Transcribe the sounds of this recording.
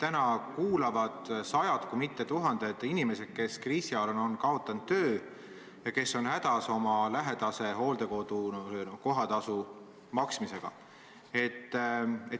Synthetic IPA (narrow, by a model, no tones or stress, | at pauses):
t̪ænɑkuːlɑvɑd̪̥sɑjɑd̪̥kumit̪ːe̞t̪uɦɑnd̪̥e̞d̪̥inime̞se̞d̪̥̚ke̞skriːsiɑlono̞nkɑo̞t̪ːˑɑnd̪ːøː | jɑke̞sːo̞nhæd̪̥ɑso̞mɑlæɦe̞d̪̥ɑse̞ɦo̞ːld̪̥e̞ko̞d̪̥uko̞ɦɑt̪ɑsu | mɑksmise̞ɡ̥ɑ̰ | e̞t̪ːe